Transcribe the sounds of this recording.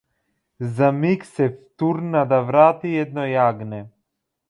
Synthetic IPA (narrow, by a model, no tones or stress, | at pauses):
zamiksɛft̪uɾnad̪avɾat̪iɛd̪̚nɔjaɡnɛ